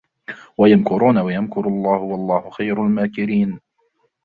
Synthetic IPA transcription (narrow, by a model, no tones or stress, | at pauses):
wajamkʊɾuːnawajamkʊɾlˤːɑːhʊwalˤːɑːhʊxajɾalmaːkɪɾiːn